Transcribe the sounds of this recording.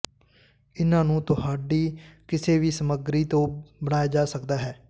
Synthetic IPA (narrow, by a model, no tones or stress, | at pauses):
ɪnãːnũːt̪ʊhaːɖiːkɪseːʋiːsəməɡɾiːt̪õːbəɽ̃aːjaːd͡ʒaːsəkd̪aːɦɛː